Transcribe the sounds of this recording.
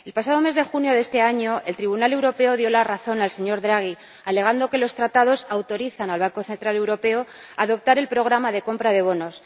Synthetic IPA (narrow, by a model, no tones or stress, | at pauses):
e̞lpasað̞o̞me̞zðe̞xunjo̞ðe̞st̪e̞aɲo̞ʔe̞lt̪ɾiβunale̞wɾo̞pe̞o̞ðjo̞laraθo̞nalse̞ɲo̞ɾðɾaɣ̞i | ale̞ɣ̞and̪o̞ke̞lo̞st̪ɾat̪að̞o̞sawt̪o̞ɾiθanalβaŋko̞θe̞nt̪ɾale̞wɾo̞pe̞o | aðo̞p̚t̪aɾe̞lpɾo̞ɣ̞ɾamaðe̞ko̞mpɾað̞e̞βo̞no̞s